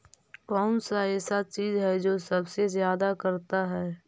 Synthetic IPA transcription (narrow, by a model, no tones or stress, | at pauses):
kɔːnsaɛːsat͡ʃiːzɦɛd͡ʒoːsɐbsezjaːd̪akɐɾt̪aɦɛː